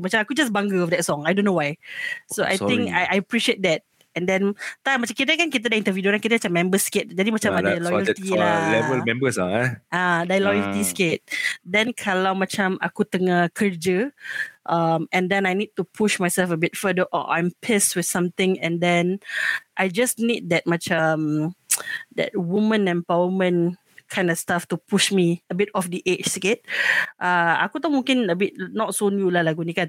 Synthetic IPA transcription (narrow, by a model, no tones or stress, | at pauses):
mat͡ʃãmakud͡ʒasbãŋɡəɔfdɛt̚sɔ̃ŋajdõnːowajsoʔa̰j̪ɪ̃ŋkajajəpɹiʃiet̚dɛt̚ | ɛ̃ndɛ̃nt̪amat͡ʃãmkit̪əkãnkit̪̬ədaĩnt̪əvjidokãnkit̪̬əat͡ʃãmːɛ̃mbəsket̚d͡ʒadĩmat͡ʃãmmadalɔjəlt̪ialɛvəlmɛ̃mbəsa̰aadajlɔjəlt̪isket̚dɛ̃nkʰalawmat͡ʃãma̰kut̪əŋakʰəd͡ʒəʔamɛ̃ndɛ̃najnid̚tupʰuʃmajsɛlfəbitfədəʔɔ̰ʔã̰jmpʰestwɪdsãmt̪ɪ̃ŋɛ̃ndɛ̃nʔajd͡ʒasnid̚dɛt̚mat͡ʃam | dɛ̰t̚wumə̃nɛ̃mpawəmə̃n | kʰãj̃ndɔstaftupʰuʃmiəbitɔfdiʔet͡ʃsket̚ʔaa̰kut̪ɔ̃mũŋkĩnəbit̚nɔtsonjulahlaɡunika